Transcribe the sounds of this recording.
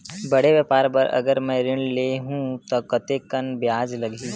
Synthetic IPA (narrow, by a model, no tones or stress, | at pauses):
bɐɽeʋjəːpaːɾpɐɾɐ̰ɡəɾmɛ̃ɾɪɳ̃leɦũt̪okɐt̪ekɐnbjaːd͡ʒlɐɡʱi